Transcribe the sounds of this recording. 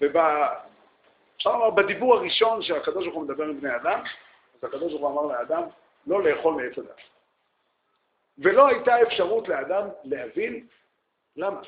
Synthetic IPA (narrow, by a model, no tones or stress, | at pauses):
veba | efʃaʁlamaʁbad̪ibuʁaʁiʃo̞nʃeakad̪o̞ʃbaʁχumed̪abe̞ʁimbne̞jad̪am | azhakad̪oʃ̬baʁχuamaʁlead̪am | lo̞le̞ːχo̞lmeet͡slad̪a̰t | ve̞lo̞ajt̪ae̞fʃaʁutlead̪amle̞havin | lama